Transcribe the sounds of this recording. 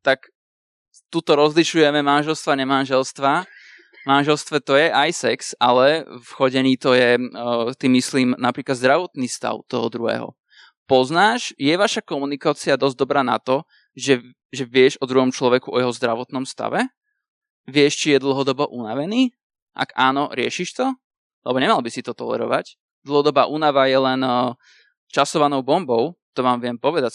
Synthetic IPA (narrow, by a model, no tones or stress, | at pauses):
t̪ak | t̪ut̪ɔɾɔzliʃujɛmɛmanʒɛlst̪ʋaɲɛmanʒɛlst̪ʋa | manʒɛlst̪ʋɛt̪ɔjɛʔajsɛksalɛfxɔɟɛɲiːt̪ɔjɛt̪imisliːmnapɾiːklad̪zd̪ɾaʋɔt̪nist̪a̰ʊt̪ɔɦɔd̪ɾuɦɛ̰ːɦɔ̰ | pɔznaːʃjɛʋaʃakɔmunikaːt͡sɪad̪ɔzd̪ɔbɾaːna̰t̪ɔ | ʒɛ | ʒɛʋɪɛʒɔd̪ɾuɦɔmt͡ʃlɔʋɛkuʔɔjɛɦɔzd̪ɾaʋɔt̪nɔmst̪a̰ʋɛ | ʋɪɛʃt͡ʃijɛd̪l̩ˠɦɔd̪ɔbɔʔunaʋɛniː | ʔa̰ɡaːnɔɾɪɛ̰ʃiʃt̪ɔ | lɛbɔɲɛmalˠbisit̪ɔt̪ɔlɛ̰ɾɔ̰ʋa̰c | d̪l̩ˠɦɔd̪ɔbaːʔunaʋajɛlɛn | t͡ʃasɔʋanɔʊbɔmbɔʊt̪ɔʋaːmʋɪɛmpɔʋɛd̪a